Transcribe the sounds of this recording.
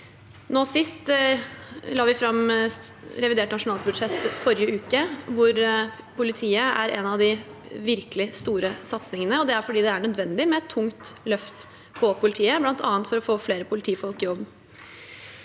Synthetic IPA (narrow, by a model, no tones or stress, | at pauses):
noːsɪst̪ | lɑːʋɪfɾɑmː | ɾɛʋɪd̪eːʈnɑʂʊnɑːlbʉd̪ʂɛt̪ːfɔɾɪəʉːkəʋʊɾ | pʰʊlɪt̪ʰiːəʔæ̰ɾɛ̰nɑʋd̪ɪʋɪɾkəlɪst̪uːɾəsɑt̪snɪŋənəɔd̪ɛæɾfɔɖiːd̪ɛæɳœd̪ʋɛnd̪ɪmɛɛt̪ʰːʊŋt̪lœft̪ | pʰɔpʰʊlɪt̪ʰiːəblɑnt̪ʰɑ̰ːənt̪fɔɾɔfoːfleːɾəpʰʊlɪt̪ʰiːfɔlkɪjɔbː